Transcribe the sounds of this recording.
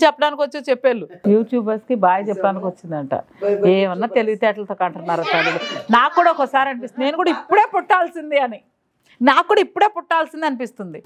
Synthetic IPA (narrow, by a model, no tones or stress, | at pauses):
t͡ʃɛpːɐɽaːnikiʋot͡ʃːiot͡ʃɛpːeːlːujuːʈjuːbɐɾskibaːjɐt͡ʃɛpːɐɽaːnikiʋot͡ʃːind̪ɐɳʈa̰eːʋɐnːaːt̪e̞liɡut̪ɛːʈɐlɐt̪o̞ːkɐɳʈɐnːaːɾɐt̪aɽilunaːkːuːɽaokːɐsaːɾiɐnipist̪unne̞ːnukuːɽaipːuɽe̞ːpuʈːaːlsind̪iɐni | naːkːuːɽaipːuɽe̞ːpuʈːaːlsind̪iɐnipist̪und̪i